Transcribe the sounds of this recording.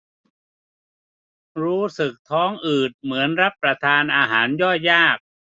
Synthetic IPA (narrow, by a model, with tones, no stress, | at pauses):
ɾuː˦˥sɯ˨˩k̚t̪ʰɔː˦˥ŋʔɯː˨˩t̪̚mɯ˩˦ənɾa˦˥pːɾa˧t̪ʰaː˧nʔaː˧ɦaː˩˦njɔː˥˩jaː˥˩k̚